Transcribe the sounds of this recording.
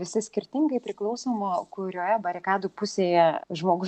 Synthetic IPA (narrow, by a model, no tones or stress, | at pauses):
ʋʲɪsʲɪsʲkʲɪɾʲt̪ʲɪŋɡɐɪpʲɾʲɪklˠɒʊsoːmoːkʊɾʲoːjɛbɐɾʲɪkɑːd̪upʊsʲeːjɛʒmoːɡʊ